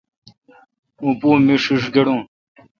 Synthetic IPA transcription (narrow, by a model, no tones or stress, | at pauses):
ũpũːmiʂiʂɡeɽũː